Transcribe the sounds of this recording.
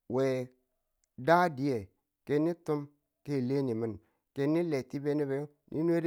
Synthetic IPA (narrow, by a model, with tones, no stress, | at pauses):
we˨ | da˦di˨˦je˨ | ke˨nːi˦tu˦m | ke˦˨le˦ni˨mi˨n | ke˨nːi˦le˨ti˦be˦ni˦be˦jo˦ | nʔḭ˦n˦e˦d